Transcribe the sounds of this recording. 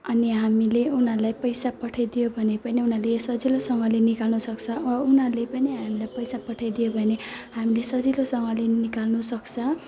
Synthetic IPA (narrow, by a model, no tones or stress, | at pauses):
ʌniɦamileunʌlajpʌjsapʌʈʰajd̪ijobʱʌnepʌniunalesʌd͡zilosʌŋʌlenikalnusʌkt͡sʰʌunalepʌniɦamilajpʌjsapʌʈʰajd̪ijobʱʌnehamilesʌd͡zilosʌŋɡʌlenikalnusʌkt͡sʰʌ